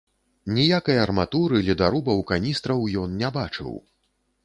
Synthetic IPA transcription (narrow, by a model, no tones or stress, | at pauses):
nʲijakɐjɐrmat̪uɾɨlʲɛd̪aɾubɐwkanʲist̪ɾɐwjɔnnʲabat͡ʂɨ̰w